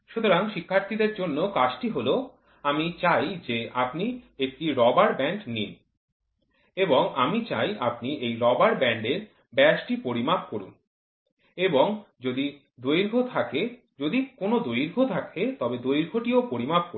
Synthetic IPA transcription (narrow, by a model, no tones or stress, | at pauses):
ʃut̪oɾaŋʃikʰːaɾt̪ʰid̪eɾd͡ʑonːokaʃʈiɦolo | amit͡ɕajd͡ʑeapniek̚ʈiɾɔbaɾbɛɳɖnin | eboŋamit͡ɕa̰japniejɾɔbaɾbɛɳɖeɾ | bɛaʃʈipoɾimapkoɾṵn | eboŋd͡ʑod̪i | d̪ojɾɡʱot̪ʰake | d͡ʑod̪ikonod̪ojɾɡʱot̪ʰakʰet̪ɔbed̪ojɾɡʱoʈiopoɾimap̚ko